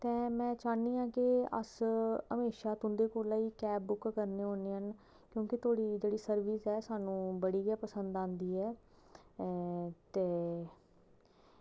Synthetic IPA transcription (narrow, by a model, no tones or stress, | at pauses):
t̪ɛ̃ːmɛ̃ːt͡ʃaːniːãːkɪə̰səmeːʃaːt̪ʊ̃nd̪eːkoːlaːiːkɛːbːʊkkəɾneːɦoːneːɦən | kjõːkɪt̪oːɽiːd͡ʒeːɽiːsəɾʋiːsɛːsaːnũːbəɽiːɡɛaːpəsə̃nd̪ãːnd̪iːɛː | t̪eː